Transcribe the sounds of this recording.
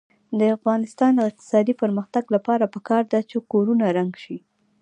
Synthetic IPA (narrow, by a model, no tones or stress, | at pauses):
d̪əafɣɑnɪst̪ɑnd̪əɪq̚t̪ɪ̥sɑd̪ipəɾməxt̪aɡlapɑɾapəkɑɾd̪at͡ʃekoɾunaɾaŋɡʃi